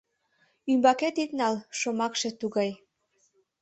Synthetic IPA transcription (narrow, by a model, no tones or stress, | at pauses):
ymbɑket̪it̪nɑlʃomɑkʃĕt̪uɣɑj